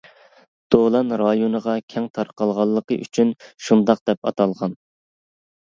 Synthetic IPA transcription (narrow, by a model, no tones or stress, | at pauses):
d̪̥olˠɑnɾɑjonəʁɑkʲʰɛŋt̪ʰɑɾqɑlˠʁɑlˠːəqəʔy̰t͡ʃʰynʃund̪ɑqd̪̥ɛpɑ̰t̪ʰɑlˠʁɑn